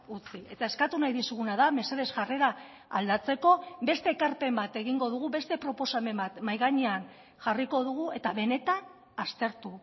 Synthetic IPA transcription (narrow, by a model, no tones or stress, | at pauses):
ut͡sie̞t̪ae̞skat̪unajðisuɣunaðame̞seð̞e̞zʝare̞ɾaː | ld̪at͡se̞ko̞be̞st̪e̞ːkaɾpe̞mbat̪e̞ɣiŋɡo̞ðuɣuβe̞st̪e̞pɾo̞po̞same̞mbat̪majɣaɲean | ʝariko̞ðuɣ̞ue̞t̪aβe̞ne̞t̪an | ast̪e̞ɾt̪u